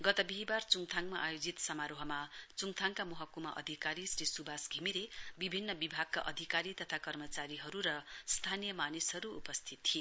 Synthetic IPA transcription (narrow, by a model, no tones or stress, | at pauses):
ɡʌt̪ʌbiɦibart͡suŋt̪ʰaŋmaʔajod͡zit̪sʌmaɾoɦʌmat͡suŋt̪ʰaŋkamʌɦʌkːumaʔʌ̰d̪ʱikaɾisrisubʱasɡʱimiɾebibʱinːʌbibʱaɡ̚kaʔʌd̪ʱikaɾit̪ʌt̪ʰakʌrmʌt͡saɾiɦʌɾuɾʌst̪ʰanijʌmanisɦʌɾṵːpʌst̪ʰit̪ːʰie